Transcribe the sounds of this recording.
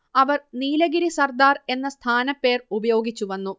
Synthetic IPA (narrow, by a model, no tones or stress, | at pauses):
ɐʋɐrniːlɐɡiɾisɐrd̪aːre̞nːɐst̪ʰaːnɐpːe̞ːrubɐjo̞ːɡit͡ɕːuʋɐnːu